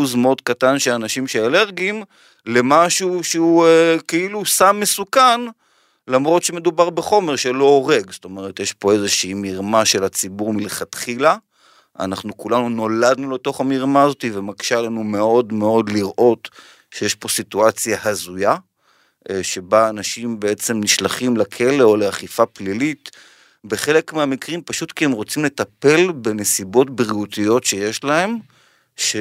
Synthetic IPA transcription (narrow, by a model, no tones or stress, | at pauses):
uzmeo̞dkatanʃeanaʃimʃeele̞ʁɡim | le̞maʃuʃeuekeilusamːesukan | lamʁo̞t̪ʃeme̞dubaʁbeχo̞me̞ʁʃe̞lo̞oʁe̞ɡzoto̞meʁetjeʃpo̞e̞zeʃiːmiʁmaʃe̞lat͡sibuʁmileχat̪χila | a̰naχnukulanuno̞lad̪nulet̪o̞χamiʁmaːzo̞t̪ivemaɡʃalanume̞o̞dme̞o̞d̪liʁʔo̞t | ʃejeʃpo̞situat͡sjahazuja | ʃe̞baːnaʃimbee̞t͡se̞mniʃlaχimlakʰe̞leo̞leaχifaplilit | be̞χe̞le̞kmeamikʁimpaʃutkiemʁo̞t͡simle̞tape̞lbe̞ne̞sibo̞tbʁiutijo̞tʃe̞je̞ʃlahe̞m | ʃe